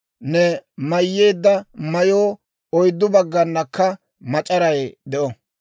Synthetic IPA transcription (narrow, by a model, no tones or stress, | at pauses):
nɛmɐjːeːd̪ːɐmɐjoː | ɔjd̪ːʊbɐɡːɐnːɐkːɐ | mɐt͡ʃʼɐɾɐjd̪ɛʔɔ